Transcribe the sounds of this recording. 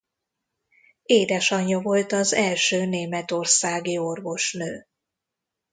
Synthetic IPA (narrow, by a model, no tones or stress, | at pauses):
eːd̪ɛʃɒɲːɒvo̞lt̪ɒzɛlʃøːneːmɛt̪o̞rsaːɡio̞rvo̞ʃnøː